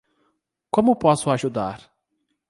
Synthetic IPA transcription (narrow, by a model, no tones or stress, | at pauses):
kõmʊpɔsʊaʒud̪a̰ɾ